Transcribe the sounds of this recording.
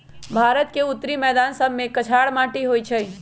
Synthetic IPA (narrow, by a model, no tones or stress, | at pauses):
bʱaːɾət̪keʊt̪ːɾimɛːd̪aːnsəbʱmẽkət͡ʃʰaːɽmãːʈiɦoːit͡ʃʰɛ